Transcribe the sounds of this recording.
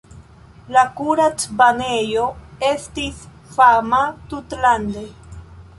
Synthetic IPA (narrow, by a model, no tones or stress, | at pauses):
lakuɾat͡sbanejo̞e̞stis | famatutlande̞